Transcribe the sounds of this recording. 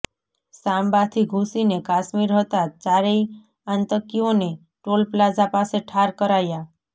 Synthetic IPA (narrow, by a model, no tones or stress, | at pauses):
sambat̪ʰiɡʱũsinekaʃmiɾɦət̪at͡ʃaɾei | ãnt̪əkione | ʈolplad͡ʒapaseʈʰaɾkəɾaja